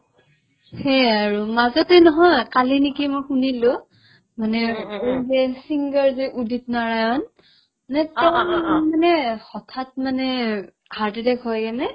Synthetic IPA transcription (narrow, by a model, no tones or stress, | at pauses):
xɛaɹumazɔtɛnɔɦɔjkalinikimɔjxunilʊ | manɛɦɛsiŋɡəɹziʔudʱit̚naɹajɔn | nɛtɔmanɛxɔtʰat̚manɛ | haɹtidɛkɦɔjɛnɛ